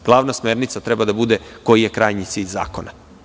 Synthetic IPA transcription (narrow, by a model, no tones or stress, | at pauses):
ɡ̥lˠaːʋnasmeːɾnit̪sat̪ɾɛbad̪abud̪eko̞jijekɾaːjɲit̪siʎʲza̰ːkona